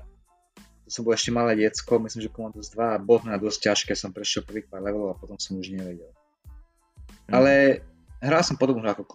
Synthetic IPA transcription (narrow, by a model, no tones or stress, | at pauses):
t̪ɔsɔmbɔlɔɛʃcɛmalɛːɟɛt͡skɔmislimʒɛpɔmald̪ɔzd̪ʋabɔt̪nɛad̪ɔsc̚caʃkɛːsɔmpɾɛʃjɛlpr̩ʋiːkʋaːd̪lɛʋɛlɔʊapɔt̪ɔmsɔmuʒɲɛʋɛɟɛl | alɛ | ɦɾalsɔmpɔd̪ɔbnuakɔk